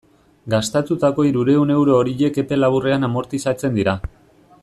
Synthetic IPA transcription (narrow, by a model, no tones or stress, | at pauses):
ɡast̪at̪ut̪ako̞iɾuɾe̞une̞wɾo̞ːɾiʎe̞ke̞pe̞laβure̞anamo̞ɾt̪isat͡se̞nd̪iɾa